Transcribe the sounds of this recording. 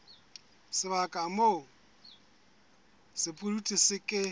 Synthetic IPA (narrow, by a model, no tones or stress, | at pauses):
sɪβakʼamo | sɪpʼulutʼisɪkʼɪ